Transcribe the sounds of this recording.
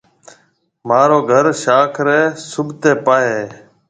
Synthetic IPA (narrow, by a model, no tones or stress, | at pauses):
maːɾoːɡʱəɾʃaːkʰɾeːsʊbt̪eːpaːɦeː